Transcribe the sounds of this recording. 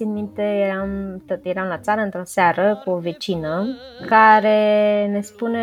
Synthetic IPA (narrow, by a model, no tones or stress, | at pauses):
inmint̪ejeɾamt̪ot̪je̞ɾamlat̪saɾəɨnt̪ɾo̞saɾəkuove̞t͡ʃinəkaɾe̞ne̞spune